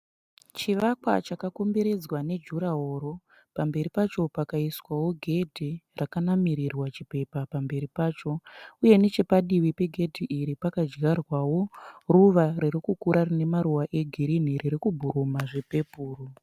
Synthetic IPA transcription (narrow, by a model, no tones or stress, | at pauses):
t͡ʃiʋakwa̰t͡ʃakakombeɾe̞d͡zwane̞d͡ʒuɾaɦo̞ːɾo̞ | pambe̞ɾipat͡ʃo̞pakaiswawo̞ɡʱe̞dʱirakanamiɾirwat͡ʃipe̞papambe̞ɾipaːt͡ʃo̞uje̞ne̞t͡ʃe̞paɗiwipe̞ɡʱe̞dʱiʔiɾipakad͡ʒɡarwawo̞ruʋaɾiɾikukuɾarine̞maɾuwaʔe̞ɡʱiɾiniriɾikubʱuɾumaʐe̞pe̞puːro